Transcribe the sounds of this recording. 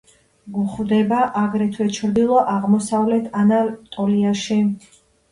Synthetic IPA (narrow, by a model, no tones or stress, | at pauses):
ɡuχvd̪ɛbaʔaɡɾɛt̪ʰwɛt͡ʃʰɾd̪ilˠɔʔaʁmɔsavlɛt̪ʰanalt̪ʼɔliaʃi